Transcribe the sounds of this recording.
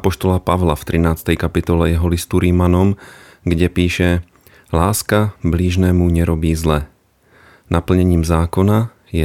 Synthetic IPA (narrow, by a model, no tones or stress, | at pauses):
pɔʃt̪ɔlapaʋlaft̪ɾinaːt͡st̪ɛjkapit̪ɔlɛjɛɦɔlist̪uɾimanɔm | ɡɟɛpiːʃɛ | laːskabliʒnɛːmuɲɛɾɔbiːzlɛ | nʔapl̩ɲɛɲiːmzaːkɔna | jɛ